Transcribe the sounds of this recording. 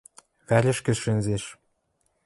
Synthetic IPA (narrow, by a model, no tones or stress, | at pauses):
βæɾʲɘ̆ʃkɘ̆ʃɘ̆nʲzeʃ